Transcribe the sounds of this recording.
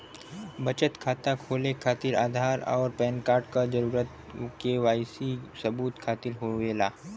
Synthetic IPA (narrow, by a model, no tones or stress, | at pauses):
bɐt͡ʃət̪kʰaːt̪akʰoːlekʰaːt̪ɪɾa̰ːd̪ʱaːɾɔ̰ːɾpɛːnkaːɾʈkad͡ʒɐɾuːɾət̪ | keʋaːjsisɐbuːt̪kʰaːt̪ɪɾɦoʋeːlaː